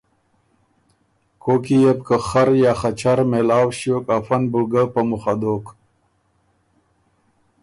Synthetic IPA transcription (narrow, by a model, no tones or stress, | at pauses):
kʰokijep̚kəxaɾjaːχat͡ɕaɾmelaːwɕjokafanbuɡəpəmuxad̪ok